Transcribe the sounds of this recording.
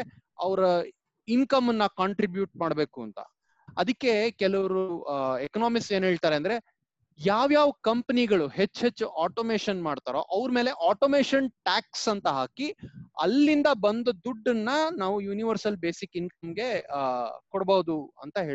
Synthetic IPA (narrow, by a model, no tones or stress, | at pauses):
ɐʋɾɐ | inkɐmːɐnːɐkaːɳʈɾibjuːʈ̚maːɽbe̞ːkuɐnt̪ɐ̰ | ɐd̪ɐkːe̞kɛlɐʋɐɾuekɐnaːmikseːnɦeːɭt̪aːɾeɐnd̪ɾe | jaːʋjaːʋɐkɐmpɐniɡɐɭuɦe̞t͡ʃːɦe̞t͡ʃːuʔaːʈomeːʃɐnmaːɽt̪aːɾo̰ʔɐʋɾme̞ːleʔaːʈoːmeːʃɐnʈaːksɐnt̪ɐɦaːkiɐ̰lːind̪ɐbɐnd̪ɐd̪uɖːɐnːɐnaːʋujuːniʋɐɾsɐlbeːsikink̚ɐmɡe̞ | kɔɽbɐːd̪uɐ̰nt̪ɐɦe̞ː